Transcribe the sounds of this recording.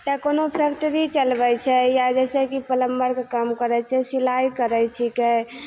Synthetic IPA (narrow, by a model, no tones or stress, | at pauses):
t̪akonopʰekʈəɾit͡ʃəlbɛt͡ʃʰɛjad͡ʒɛsɛkipələmbəɾkekamkəɾɛt͡ʃʰɛsilajkəɾɛt͡ʃʰike